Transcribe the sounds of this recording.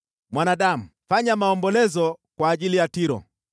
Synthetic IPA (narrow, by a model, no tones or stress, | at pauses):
mwanaɗam̩faɲamaɔmbɔlɛzɔkwaːʄilijatiɾɔ̰